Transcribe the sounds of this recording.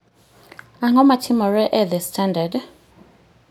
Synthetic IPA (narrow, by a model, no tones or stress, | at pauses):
aŋɔmatʰimɔɾɛʔɛðestʰandad